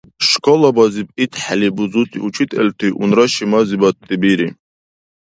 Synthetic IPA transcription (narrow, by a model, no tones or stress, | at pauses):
ʃkʰɔlabazipʼit̪ʰʼħalibuzut̪ʰʼḭut͡ʃʰit̪ʼɛlt̪ʰiʔunɾaʃimazibat̪ʼːibiɾi